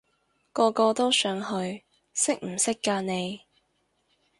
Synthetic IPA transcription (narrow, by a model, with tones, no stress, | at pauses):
kɔː˧kɔː˧t̪o˥wsœː˨˧ŋhɵ˧ɥ | sɪ˥k̚m̩˨˩sɪ˥kːaː˧ne˨˧j